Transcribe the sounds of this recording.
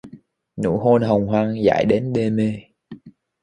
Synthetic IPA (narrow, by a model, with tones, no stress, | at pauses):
nṵ˧˥˦ɦo˧nɦə˨˩wŋ͡mɦwaː˧ŋza̰ː˧˨jɗe˨˦nɗe˧me˧